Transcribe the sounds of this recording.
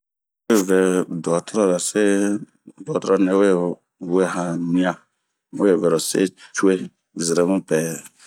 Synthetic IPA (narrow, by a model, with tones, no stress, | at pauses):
e˦˨vɛ˨dɔ˨ta˦ɾa˦βɛ˨se˦ | dɔ˨ta˦ɾɔ˦˨nɛ̃˨˦we˦ | we˦˨hã˦nĩ˦ã˦ | we˦e˦˨vɛ˨ɾo˨sḛ˦t͡ʃu˦e˦ | zi˨ɾɛ˨mũ˦pɛ˨